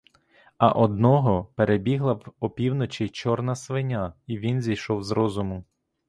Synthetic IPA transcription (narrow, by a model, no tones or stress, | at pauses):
ɐ̰ʔɔd̪nɔɦɔpeɾebʲiɦlˠɐwɔpʲiwnɔt͡ʃit͡ʃɔrnɐsʋɪnʲaiʋʲinzʲijʃɔwzɾɔzʊmʊ